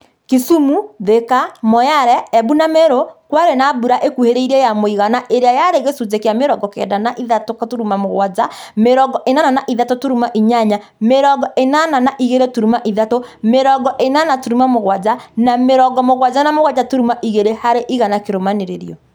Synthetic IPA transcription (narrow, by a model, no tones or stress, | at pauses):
kesumuðekamɔjaɾɛɛbunameɾokwaɾenabuɾaʔekuheɾeiɾɛjamoiɣanaʔeɾeajaɾeɣesuzekeameɾɔɡɔkɛ̰danaʔiðatokatoɾumamoɣwazameɾɔɡɔʔenananaʔiðatotoɾumaʔiɲaɲa | meɾɔɡɔʔenananaʔiɣeɾetuɾumaʔiðatomeɾɔɡɔʔenanatoɾumamoɣwad͡ʒanameɾɔɡɔmoɣwad͡ʒanamoɣwad͡ʒatoɾumaʔiɣeɾehaɾeʔiɣanakeɾomaneɾeɾḭɔ